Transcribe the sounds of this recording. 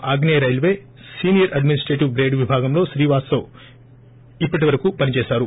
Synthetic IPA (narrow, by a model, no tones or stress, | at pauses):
ʔaːɡneɾɐjlʋe̞ː | siːnijɐɾɐɖminisʈɾeʈiʋɡɾe̞ːɖʋibʱaːɡɐmlo̞ːʃɾiːʋaːsɐ | ipːɐʈiʋɐɾɐkupɐnit͡ʃeːsaːɾu